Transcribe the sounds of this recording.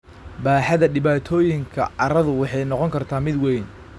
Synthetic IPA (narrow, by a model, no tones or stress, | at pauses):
baːħɐðɐɖɪβaːt̪ʰɔːjɪŋkʰɐ̰ɐɾɐðʊwɑħɑjnɔqɔŋkʰɐrt̪ʰaːmɪd̪wɛjn